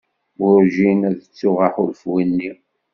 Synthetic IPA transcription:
ʊɾʒinæðət͡sːʊʁaħʊlfwinːi

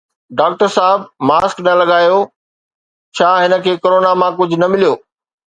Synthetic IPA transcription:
ɖaːk̚ʈəɾsaːɦɪbʱmaːsknɐlɐɠaːjo | t͡ɕʰaːɦɪnə̆kʰeːkoɾoːnamãkʊd͡ʑʱʊ̆nɐmɪlijoː

